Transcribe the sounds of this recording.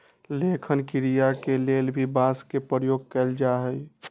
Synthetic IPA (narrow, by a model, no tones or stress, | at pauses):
lekʰənkiɾijakelelbʱibaskepɾəjoɡ̚kɛɪld͡ʒaɦəj